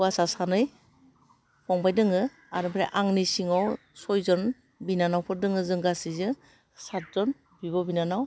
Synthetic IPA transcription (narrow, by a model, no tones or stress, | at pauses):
wasasanɯj | pʰɔŋbajdɯŋɯ | aɾɯbɾeʔaŋnisiŋaw | sɔjzɔn | binanawpʰɯdɯŋɯzɯŋɡasizɯ | sat̚zɔn | biβɔbinanaw